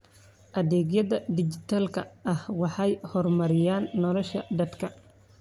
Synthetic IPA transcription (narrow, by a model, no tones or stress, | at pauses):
ʔɐðɛːɡjɐðɐd̪ɪt͡ʃɪt̪ʰaːlkʰɐʔɐhwɑħɑjhɔrmɐɾɪjaːnːɔlɔʃɐd̪ɐd̪kʰɐ